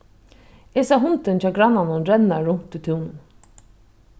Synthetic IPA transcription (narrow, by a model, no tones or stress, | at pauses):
eːsaɦʊnt̪ɪnt͡ɕʰɑːɡɾanːanʊnɾɛnːaɹʊm̥t̪ut̪ʰɪwnʊn